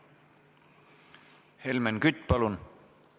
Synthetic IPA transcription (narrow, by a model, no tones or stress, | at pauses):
helmenkyt̪ʲːˑpɑlun